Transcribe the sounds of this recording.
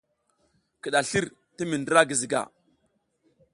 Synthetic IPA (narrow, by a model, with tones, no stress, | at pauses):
ki˨ɗa˨ɬi˦ɾ | ti˦mi˨ndə˦ɾa˦ɡi˨zi˨ɡa̰˨